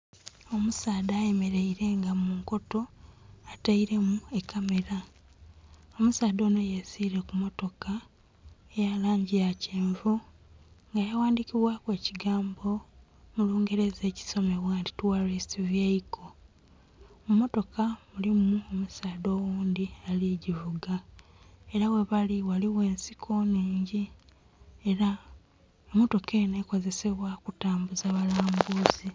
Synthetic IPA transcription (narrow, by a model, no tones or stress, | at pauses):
omusaːdaːje̞me̞ɾeiɾe̞ŋɡamuːŋko̞to̞ataiɾe̞mue̞kːame̞ɾa | omusaːdo̞ːnojesiːɾe̞kumo̞to̞ka | ejalaːɲɟijaceːɱvu | ŋɡajawaːndiciβwakwe̞ːciɡaːmbo̞ | muluːŋɡe̞ɾe̞ze̞ːci̥so̞me̞βwaːnti̥tuwaristivjeikʰo | mumo̞to̞kamulimuomusaːdo̞ːwuːnd̪ialiɟivuɡa | e̞ɾawe̞βaliwaliwe̞ːnsikʰoniːɲɟi | eɾa | omo̞to̞keneko̞ze̞se̞βwakutaːmbuzaβalaːmbuːzi